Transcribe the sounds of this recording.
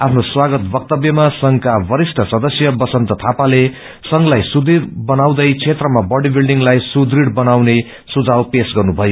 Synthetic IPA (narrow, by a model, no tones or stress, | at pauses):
apʰnoswaɡʌt̪bʌk̚t̪ʌbjʌmasʌŋkabʌɾisʈʰʌsʌd̪ʌsjʌbʌsʌnt̪ʌt̪ʰapale | sʌŋlajsud̪iɾbʌnawd̪ʌjt͡sʰet̪rʌmabʌɽibilɖiŋlajsud̪riɽbʌnawne | sud͡zʱawpesɡʌrnubʱʌjo